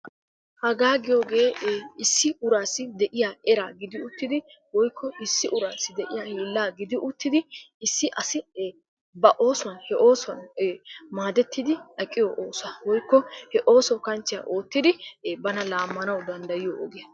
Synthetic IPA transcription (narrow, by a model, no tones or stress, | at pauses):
hɐɡaːɡɪjoːɡe̞ːɪsːɪʊɾaːsːɪd̪ɛʔɪjaːɛɾaːɡɪd̪ɪʊt̪ːɪd̪ɪ | wɔjkːɔɪsːɪʔʊɾaːsːɪd̪ɛʔɪjaːhiːlːaːɡɪd̪ɪʔʊt̪ːɪd̪ɪ | ɪsːɪʔɐsɪ | bɐʔo̞ːsʊwɐnhɛʔo̞ːsʊwɐnː | maːd̪ɛt̪ːɪd̪ɪʔɐkʼːɪjo̰ʔoːsaːwɔjkːɔhɛʔo̞ːsɔkɐnt͡ʃːɪja̰ːʔo̞ːt̪ːɪd̪ɪbɐnɐlaːmːɐnɐwd̪ɐnd̪ɐjɪjoʔɔɡɪjɐ